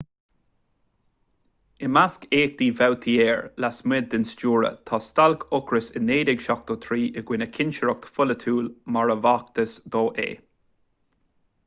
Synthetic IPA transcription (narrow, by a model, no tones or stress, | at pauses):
ɪmaskeːk̚d̪iːvɛwt̪ʰieːɹlasmɪd̪̚ːɪnst͡ʃuːɹə̰t̪ʰaːst̪alkʰʊkɾəsɪneːd̪ɪɡʃak̚t̪ot̪ʰɾiːʔɪɡwɪnəkʰɪnʃəɾɔk̚t̪ʰfʊlət̪ʰuːlmaɹəvak̚t̪əsd̪ɔːʔḛː